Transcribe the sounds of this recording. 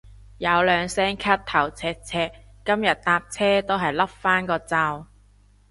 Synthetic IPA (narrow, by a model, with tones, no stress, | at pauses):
jɐ˨˧wlœː˨˧ŋsɛː˥ŋkʰɐ˥tt̪ʰɐ˨˩wt͡sʰɛː˧k̚t͡sʰɛː˧kː | ɐ˥mjɐ˨t̚t̪aː˧p̚t͡sʰɛː˥t̪o˥wɦɐ˨jlɐ˥p̚faː˥nkɔː˧t͡saː˧w